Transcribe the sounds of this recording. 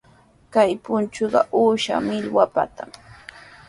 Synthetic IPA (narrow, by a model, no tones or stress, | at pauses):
kajpʊnt͡ʃʊɢɑʔuːʃa̰mɪlwapa̰t̪am